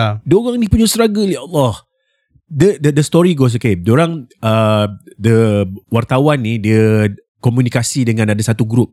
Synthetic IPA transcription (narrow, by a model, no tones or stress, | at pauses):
aduoɣaŋnipuɲusɾaɡəliaʔɔlːɔh | dədədəst̪ɔɾiɡos̬əkemdoɾaŋədəwart̪awanːidiə | kɔmjunikasidəŋãnadasat̪uɡɾup̚